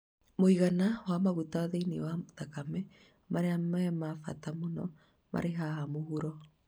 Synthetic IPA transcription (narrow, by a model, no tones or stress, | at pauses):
moiɣanawamaɣutaðeinewatakamɛ | maɾeamɛmafa̰tamonɔ̰ | ma̰ɾeɦaɦamohuɾɔ